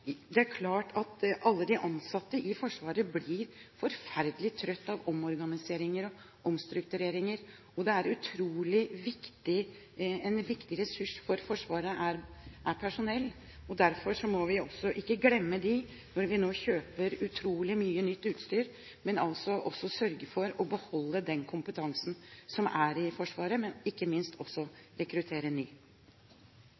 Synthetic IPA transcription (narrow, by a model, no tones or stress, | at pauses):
d̪ɛæɾkʰlɑːʈʰɑt̪ʔɑlːəd̪ɪʔɑnsɑt̪ːəʔɪfɔʂʋɑːɾəblɪɾfɔɾfæɾd̪əlɪt̪ʰɾœt̪ːɑʋɔmɔɾɡɑnɪseːɾɪŋəɾɔ | ʔɔmst̪ɾʉkt̪ʉɾeːɾɪŋəɾ | ɔd̪ɛæɾʉt̪ʰɾuːlɪʋɪkt̪ɪ | ɛnʋɪkt̪ɪɾɛsʉʂfɔɾfɔʂʋɑːɾəʔæɾʔæɾpʰæʂʊnɛlː | ɔd̪æɾfɔɾʂɔmɔʋɪɔsːɔʔɪkːəɡlɛmːəd̪ɪ | nɔɾʋɪnoːçøːpəɾʉt̪ʰɾuːlɪmyːənʏt̪ːʉːt̪st̪yːɾ | mɛnɑlsɔʔɔsːɔsœɾɡəfɔɾɔbəhɔlːəd̪ɛnkʰʊmpət̪ʰɑŋsn̩sɔmæɾɪfɔʂʋɑːɾəmɛnɪkːəmɪnst̪ʰɔsːɔɾɛkɾʉt̪ʰeːɾənyː